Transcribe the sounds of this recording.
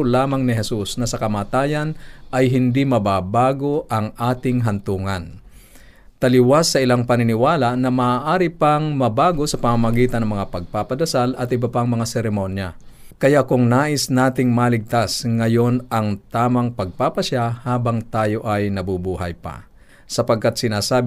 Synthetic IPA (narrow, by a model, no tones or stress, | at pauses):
laːmɐŋnɪɦɛsusnɐsɐkɐmaːt̪aːjɐnʔɐjɦɪnd̪imɐbaːbaːɡoʔɐŋʔaːt̪ɪŋɦɐnt̪uːŋɐn | t̪ɐlɪwasːɐʔɪlaŋpɐnɪnɪwaːlaʔnɐmaːʔaːɾɪpaŋmɐbaːɡo̞sɐpɐmamɐɡiːt̪ɐnːɐŋmɐŋapɐɡ̚papɐd̪ɐsalɐt̪ʔɪbɐpaŋmɐŋasɛɾɛmonja | kɐjaʔkʊŋnaːʔɪsnaːt̪ɪŋmalɪɡ̚t̪asŋɐjo̞nɐŋt̪aːmaŋpɐɡ̚papɐʃahaːbaŋt̪aːjo̞ʔɐjnɐbubuːhɐ̰jpa̰ | sɐpɐɡ̚kat̪̚sɪnaːsaːb